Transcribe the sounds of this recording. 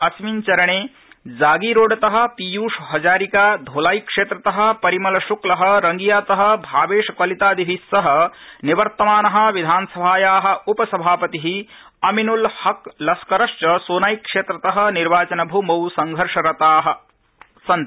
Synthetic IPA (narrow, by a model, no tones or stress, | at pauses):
ɐsmint͡ʃɐɾɐɳeː | d͡ʒaːɡiːɾoːɖɐt̪ɐɦɐ̆pijuːʂɦɐd͡ʒaːɾikaːd̪ʱoːlaːjkʂeːt̪ɾɐt̪ɐɦɐ̆pɐɾimɐlɐʃuklɐɦɐ̆ɾɐŋɡijaːt̪ɐɦɐ̆bʱaːʋeːʂɐkɐlit̪aːd̪iʋʱisːɐɦɐ̆niʋɐɾt̪ɐmaːnɐɦɐ̆ʋid̪ʱaːnɐsɐbʱaːjaːɦɐ̆upɐsɐbʱaːpɐt̪iɦi | ɐminulhɐklɐskɐɾɐʃt͡ʃɐsoːnaːjkʂeːt̪ɾɐt̪ɐɦɐ̆niɾʋaːt͡ʃɐnɐbʱumɐwsɐŋɡʱɐɾʂɐɾɐt̪aːɦɐ̆ | sɐn